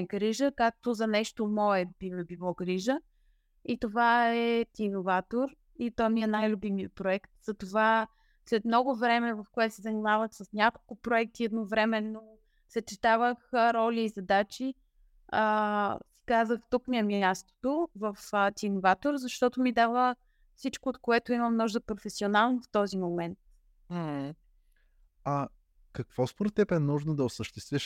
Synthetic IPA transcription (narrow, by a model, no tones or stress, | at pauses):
ɡɾiʒəkak̚t̪ozɐnɛʃt̪omɔɛbinɛbilˠɔɡɾiʒə | it̪ovaɛt̪ʲinovat̪oɾ | it̪ɔniɛnajlʲʊbimiəpɾoɛkt̪z̥ɐt̪ova | slɛt̪mnɔɡovɾɛmɛvɐfkoɛt̪o̥sɛzɐnimavət̪səsnʲakolˠkʊpɾoɛk̚t̪iɛd̪novɾɛmɛnːo | sət͡ʃɛt̪avəxɾɔliːzɐd̪at͡ʃi | əskazəxt̪ukmiɛmʲast̪o̥t̪ovəfət̪ʲinovat̪oɾzɐʃt̪ɔt̪omid̪avə | fsit͡ʃkoːt̪koɛt̪oiməmnɔʒd̪əpɾofɛsionalˠnoft̪ɔzimomɛnt̪̚ | m̩h̩ | ɐ | kɐkvɔspoɾt̪ːɛpɛnuʒnod̪ɐosəʃt̪ɛst̪viʃ